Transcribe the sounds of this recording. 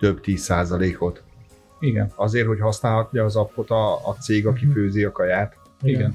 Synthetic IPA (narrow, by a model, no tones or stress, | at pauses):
t̪øbt̪iːsːaːzɒleːko̞t̪ | iɡɛ̰nɒzeːrho̞chɒsnaːlɦɒt̪ɲɒːzɒpkot̪ɒːt̪seːɡɒkiføːziɒkɒjaːt̪ | iɡɛn